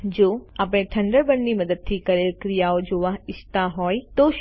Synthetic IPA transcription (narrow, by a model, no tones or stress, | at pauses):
d͡ʒoːaːpɽ̃ẽʈʰɐ̃ɳɖəɾbənːimɐd̪əd̪̚t̪ʰikəɾelkɾijaod͡ʒoːʋaɦɪst̪aɦoːit̪oʃ